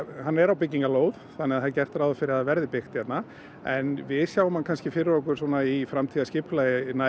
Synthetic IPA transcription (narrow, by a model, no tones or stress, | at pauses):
hanːɛɾawpɪcːiŋkaloːwðθanɛaðθaðcɛr̥t̪ɾaːwðɔfɪɾɪɾaðvɛɾðɪpɪxt̪çɛt̪na | ɛnvɪðsjaːwʏmhankʰanscɪfɪɾɪɾɔhkʏɾ̥sɔːnaifɾamt̪ʰiːðascɪplajna